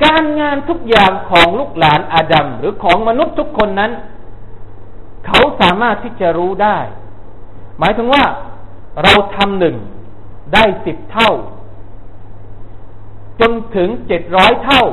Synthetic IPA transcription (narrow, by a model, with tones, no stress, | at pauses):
kaː˧nŋaː˧nt̪ʰu˦˥k̚jaː˨˩ŋkʰɔː˩˦ŋluː˥˩k̚laː˩˦nʔaː˧da˧mɾɯː˩˦kʰɔː˩˦ŋma˧nu˦˥t̪ʰːu˦˥kʰːo˧nːa˦˥n | kʰa˦˥wsaː˩˦maː˥˩t̪ʰːiː˥˩t͡ɕa˨˩ɾuː˦˥daː˥˩j | maː˩˦jt̪ʰɯ˩˦ŋwaː˥˩ɾa˧wt̪ʰa˧mnɯ˨˩ŋ | daː˥˩jsi˨˩p̚t̪ʰa˥˩w | t͡ɕo˧nt̪ʰɯ˩˦ŋt͡ɕe˨˩t̪̚ɾɔː˦˥jt̪ʰa˥˩w